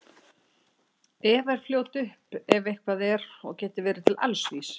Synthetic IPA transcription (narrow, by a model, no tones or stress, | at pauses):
ɛːvaɾ̥fljoːwt̪ʏhpɛvejhkʰvaðɛɾɔ̰ɣcɛːt̪ɪvɛːɾɪt̪ʰɪla̰lsvis